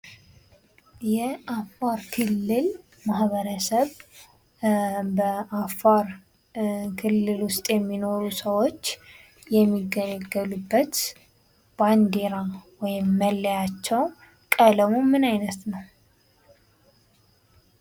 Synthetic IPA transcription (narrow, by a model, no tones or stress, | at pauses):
jɛʔafaɾkʰɨlːɨl | mahβəɾəsəβ | bəʔafaɾ | kʰɨlːɨlwʊst̪ʼjɛmːino̞ɾusəwo̞t͡ʃː | jɛmːiɡələɡəlubːət̪ | b̥and̪eɾawɔjɪmːəlːəjat͡ʃːɛw | kʼələmumɨnajnət̪nəw